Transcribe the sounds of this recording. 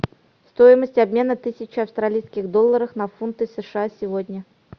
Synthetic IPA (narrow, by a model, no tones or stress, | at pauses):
st̪ojɪməsʲtʲɐbmʲe̞nət̪ɨsʲɪt͡ɕɪɐfst̪ɾɐlʲijskʲɪɣd̪olˠːəɾəfnɐfunt̪ɨsəʂɨasʲɪvodʲnʲə